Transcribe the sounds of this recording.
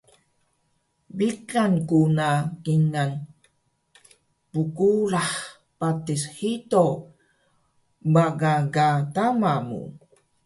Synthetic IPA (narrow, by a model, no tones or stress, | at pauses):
bikankunakiŋan | pukulaħ | patisħito | baɡaɡatamamṵ